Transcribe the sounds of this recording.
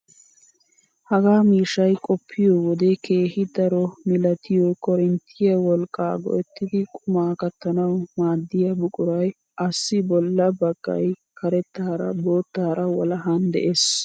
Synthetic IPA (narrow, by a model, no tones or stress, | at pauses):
hɐɡaːmiːʃɐjkʼɔpʰːɪjoːwɔd̪ekʰeːhɪd̪ɐɾɔmɪlɐt̪ʰɪjɔkɔɾɪnt̪ʰɪjɐwɔlkʼːaːɡɔ̰ʔɛt̪ːɪd̪ɪkʼʊmaːkɐt̪ːɐnɐwmaːd̪ːɪjɐbʊkʼʊɾɐj | ʔɐsːɪbɔlːɐbɐɡ̥ːɐ̰j | kɐɾɛt̪ːaːɾɐ̰boːt̪ːaːɾɐwɐlɐɦand̪ɛ̰ʔeːs